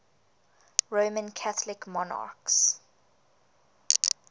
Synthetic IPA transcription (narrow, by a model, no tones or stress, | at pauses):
ɹomə̃nkʰaθəlɪkmɔna̰ks